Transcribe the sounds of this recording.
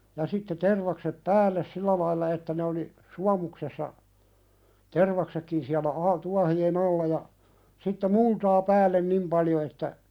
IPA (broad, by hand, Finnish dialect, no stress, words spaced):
jɑ sitːe terʋɑksep pæːlːes silːæ lɑilːɑ etːæ ne oli suɑmuksesːɑ terʋɑksekːin siælæ ɑi tuɑhien ɑlːɑ jɑ sitːe multɑː pæːlːen nim pɑljo etːæ